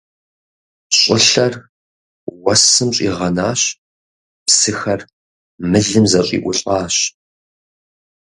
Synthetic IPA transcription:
ɕʼɪɬɐr | wɐsɨmɕʼḭːʁɐnaːɕ | psɨxɐr | mɨɮɨmzɐɕʼḭːʔʷʊɬʼɑːɕ

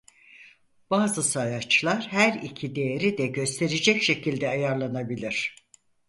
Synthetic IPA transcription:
b̥aːzɯsajat͡ʃlˠaɾhæɾicʰid̪e̞jeɾid̪ɛɟø̞st̪ʰe̞ɾed͡ʒɛcʃe̞cʰilʲd̪ɛajaɾlˠanabilʲiɾ̝̥

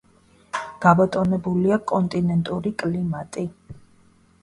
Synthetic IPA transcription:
ɡ̥abat̪ʼɔnɛbuliakʼɔnt̪ʼinɛnt̪ʼuɾikʼlimat̪ʼi

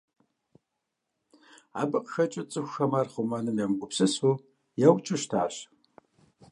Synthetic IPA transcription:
a̰ːbɨqxɐt͡ʃʼɪt͡sʼɨxʷxɐmarχʊmanɨmjɛmɡʷʊpsɨsu | jɛwt͡ʃʼɨʃtʰaːɕ

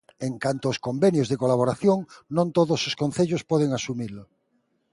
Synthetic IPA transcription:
eŋkant̪oːskombenjozðekolaβ̞oɾaθjõŋnõnt̪oðososkõn̟θeʎospoð̞eŋasumilo

